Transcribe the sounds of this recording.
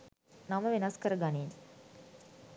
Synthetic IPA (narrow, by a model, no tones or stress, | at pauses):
naməʋenɐskəɾəɡaniːn